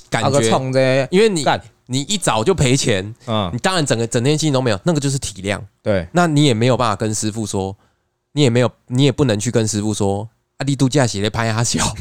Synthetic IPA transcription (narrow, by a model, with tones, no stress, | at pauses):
ka˨˩t͡ɕɥɛ˦˥˧ŋe˦i˦nwe˥˩ɪni˨˩˨ | ni˨˩i˥˩t͡sɑ˨˩ʊt͡ɕjo˥˩pʰe˧˥ɪt͡ɕʰjɛ˧˦n˨ni˨t̪ɑ˥˦ŋɻa˧˦nt͡sə˨˩ŋɡə˦t͡sə˨˩ŋt̪ʰjɛ˥ɕi˥˧˨o˥˧me˧˦jo˨˩na˥˩ɡə˩t͡ɕjo˥˧ʊʂ̬i˥˩t̪ʰi˨˩ljɑ̰˥˨ŋt̪we˥˩na˥˨ni˨˦jɛ˨˩me˧˥jo˨˩pa˥˩fa˨˩kə˦nʂɻ̩˦˥fu˥˩swɔ˦ | ni˨˦jɛ˨˩me˧˥ɪjo˨˩ni˨˦jɛ˨˩pu˥˩nə˧˦ŋt͡ɕʰy˥˩kə˦nsɻ̩˥˦fu˥˩swɔ˦ | a˧˥li˥˧t̪u˥˧t͡ɕja˥˧ɕɛ˨˩e˥˩pʰa˥a˥˩a˥ɕjɑ˨˩˦ʊ